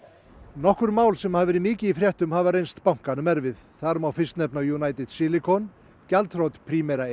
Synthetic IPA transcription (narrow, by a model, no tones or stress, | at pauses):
nɔhkʏɾmaːwlsɛmhavɪɾɪmɪːcɪifɾjɛht̪ʏmhaːvaɾejnst̪pawŋ̥kanʏmɛɾvɪðθaɾmawfɪst̪nɛpnajunaːjt̪ɪd̪sɪlɪkʰɔn | calt̪ɾowt̪pʰɾimɛɾa